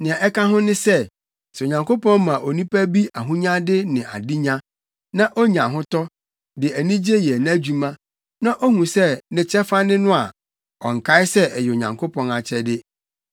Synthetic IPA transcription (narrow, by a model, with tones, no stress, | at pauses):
nɪ̃˨ã˨ʔɛ˦ka˦ɦʊ̃˦nɪ̃˦sɛ˦ | sɛ˨ɲã˨ŋkʰo˦pɔ̃˦n˦mã˨ʔo˨nĩ˦pæ˦bi˦ʔa˨ɦũ˦ɲã˦dɪ˦nɪ̃˨a̰˨di˦ɲã˦ | nã˦ʔo˦ɲã˨ɦʊ̃˦tɔ˦ | dɪ˨æ˨nĩ˦d͡ʑe˦jɛ˨ñ˦a˦d͡ʑu˨mã˦ | nã˦ʔo˦hũ˨sɛ˦nɪ̃˨t͡ɕʰɛ˦fa˦nɪ̃˦nʊ̃˦a˨ | ɔ̰̃˨ŋ̩˨kʰa˦ɪ˦sɛ˦ɛ˨jɛ˨ɲã̰˨ŋkʰo˦pʰɔ̃˨na˨t͡ɕʰɛ˦dɪ˦